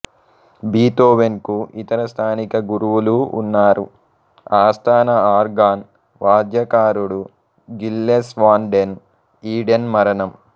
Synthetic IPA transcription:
biːt̪oːʋenkuit̪ɐɾɐst̪ʰaːnikɐɡuɾuʋulṵːnːaːɾu | aːst̪ʰaːnɐaːɾɡaːn | ʋaːd̪jɐkaːɾuɽu | ɡilːesʋaːɳɖen | iːɖenmɐɾɐnɐm

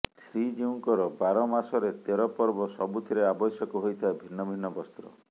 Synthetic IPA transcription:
sʰɾid͡ʒiũŋkɔɾɔbaɾɔmasɔɾet̪eɾɔpɔɾbɔsɔbut̪ʰiɾeabɔsjɔkɔɦojt̪ʰaebʱinːɔbʱinːɔbɔst̪ɾɔ̰

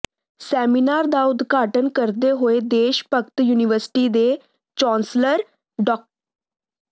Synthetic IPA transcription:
sɛːminaːɾd̪aːʊd̪ɡaːʈənkəɾd̪eɦoed̪eːʃpəkt̪juːniʋəɾsʈiːd̪e | t͡ʃɔ̃ːnsləɾ | ɖɔk̚

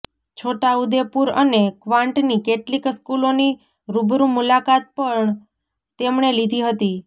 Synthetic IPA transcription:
t͡ʃʰoʈaud̪epuɾə̰nekʋãɳʈnikeʈlikskuloni | ɾubɾũmulakat̪̚pəɳ | t̪emɳelid̪ʱiɦət̪i

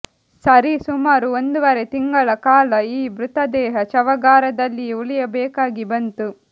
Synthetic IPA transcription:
sɐɾisumaːɾuond̪uʋɐɾet̪iŋɡɐɭɐkaːlɐiːbɾut̪ɐd̪ɛːɦɐt͡ʃɐʋɐɡaːɾɐd̪ɐlːiuɭijɐbɛːkaːɡibɐnt̪u

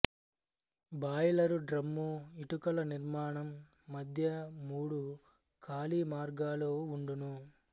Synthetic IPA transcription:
baːjɐlɐɾuɖɾɐmːuiʈukɐlɐniɾmaːɳɐmː | ɐd̪ʱjɐmuːɽu | kʰaːliːmaːɾɡaːloːuɳɖunu

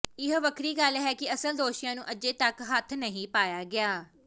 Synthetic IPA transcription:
ɪɦʋəkʰɾiːɡəlɦɛːkɪəsəld̪oːʃɪjãːnũːʔəd͡ʒeːt̪əkɦət̪ʰnəɦĩːpaːjaːɡɪaː

